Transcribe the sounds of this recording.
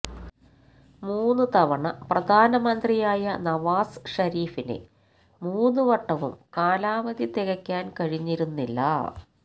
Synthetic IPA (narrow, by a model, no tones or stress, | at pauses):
muːnːut̪ɐʋɐɳɐprɐd̪ʱaːnɐmɐnd̪rijaːjɐnɐʋaːsʂɐɾiːfinḛ | muːnːuʋɐʈːɐʋṵmkaːlaːʋɐd̪it̪iɣɐkʲːaːnkɐɻiɲːiɾunːilːɐ̰